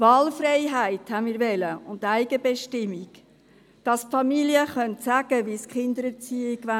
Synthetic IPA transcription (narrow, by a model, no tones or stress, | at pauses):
vɑːlfrɛɪɦæɪthænmiːɾʋɛləʊntːæɪɡəbɛʃtɪmːik | d̥ɑsfɑmiliəχœntsæɡ̥əʋiskχɪndəɾət͡siiɡʋæ